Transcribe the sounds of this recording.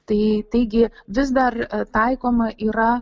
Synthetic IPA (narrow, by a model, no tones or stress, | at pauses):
t̪ɐɪt̪ɐɪɡʲɪʋʲɪzd̪ɐrt̪ɐɪkoːmɐʔiːɾɐ